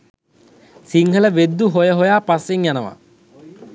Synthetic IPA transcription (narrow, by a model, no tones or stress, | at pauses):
siŋɦələʋed̪ːuɦojəɦojaːpasːeŋjanəʋa̰